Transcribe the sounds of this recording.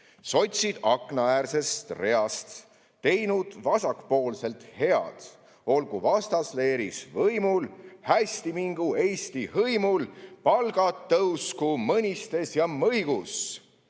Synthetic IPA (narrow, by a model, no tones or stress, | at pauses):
so̞t̪ʲsʲid̪̥ɑkˑnɑæːrse̞st̪re̞ɑst̪ː | e̞jnud̪̥vɑsɑkpo̞ːlse̞lt̪he̞ɑ̰d̪̥ | o̞lɡ̥uvɑst̪ɑsle̞ːɾisvɤjmulhæsʲt̪imiŋɡ̥ue̞jsʲt̪ihɤjmulpɑlɡ̥ɑt̪ːɤwskumɤnʲist̪e̞sjɑmɤjɡ̥us